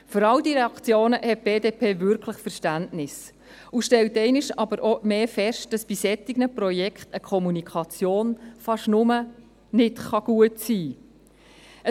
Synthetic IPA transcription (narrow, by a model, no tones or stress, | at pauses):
fʏɾɑldiɾɛɑkt͡sjoːnəhɛt̚b̥eːdeːpʰeːvʏɾkʰləχfəɾʃtæntnɪs | uʃtɛltɛɪnɪʃɑbəɾʔomeːfɛʃt̚d̥ɑsb̥isɛt̪ɪɡnəprɔjɛkχtəkʰɔmunikʰɑt͡sjoːnfɑʃnʊmə | nɪtχɑɡ̥uətsiː | ə